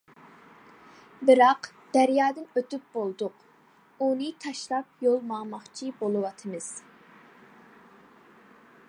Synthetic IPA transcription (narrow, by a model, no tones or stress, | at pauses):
bɨɾɑq | d̪̥æɾjɑːd̪ɨnøt̪yp̚b̥olˠd̪ʊq | unɨt̪ʰɑʃlˠɑp̚jolˠmɑŋmɑχt͡ʃʰibolˠɨwɑt̪ʰɨmɨz̥